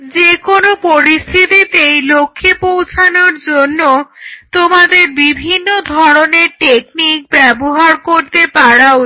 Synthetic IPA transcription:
d͡ʑekonopoɾist̪ʰit̪it̪ejlokʰːepowt͡ɕʰanoɾd͡ʑonːot̪omad̪eɾbibʱinːod̪ʱɔɾoneɾʈek̚nik̚bɛboɦaɾkoɾt̪epaɽao

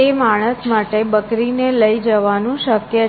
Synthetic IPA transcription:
emaɽ̃əsmaʈebəkɾineləid͡ʒəʋanũʃəkjə

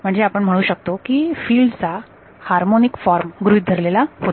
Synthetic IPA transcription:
m̤əɳd͡zeapəɳm̤əɽ̃uːɕək̚t̪okiːfiːlɖt͡sa | haɾmonikfɔɾmɡɾuid̪ʱəɾlelahot̪

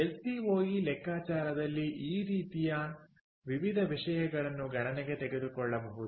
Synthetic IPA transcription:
elsiɦoːɡilɛkːaːt͡ʃaːɾɐd̪ɐlːiʔiːɾiːt̪ijɐ | ʋiʋid̪ʱɐʋiʂɐjɐɡɐɭɐnːuɡʱɐɳɐneɡe̞t̪eɡe̞d̪ukɔɭːɐbɐɦud̪u

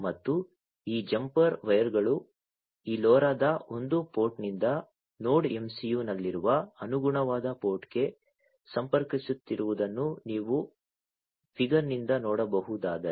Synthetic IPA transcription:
mɐt̪ːu | iːd͡ʒɐmpɐɾʋɐjɐɾɡɐɭu | iːlɔːɾaːd̪ɐo̞nd̪upo̞ːɾʈnind̪ɐ | noːɽe̞msijuːnɐlːiɾuʋɐɐnuɡuɳɐʋaːd̪ɐpoːɾʈɡe̞ | sɐmpɐɾkisut̪ːiɾuʋud̪ɐnːuniːʋu | pʰiɡɐɾnind̪ɐnɔːɽɐbɐɦud̪aːd̪ɐɾe

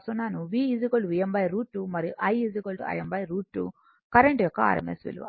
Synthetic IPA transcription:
sunːaːnuʋiːizikolɖʋiːembɐjɾuːʈːumɐɾiʔɐjizikolɖɐ̰jembɐjɾuːʈːu | kɐɾeɳʈjɔkːɐa̰ːɾḛmesʋḭl̰ʋa̰

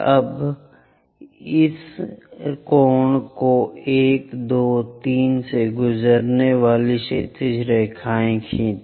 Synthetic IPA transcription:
ɐ̰b | ɪs | koːɳkoeːkd̪oːt̪iːnseɡʊzəɾneʋaːliʃet̪ɪd͡ʒɾɛɦkʰaːẽkʰĩːt̪

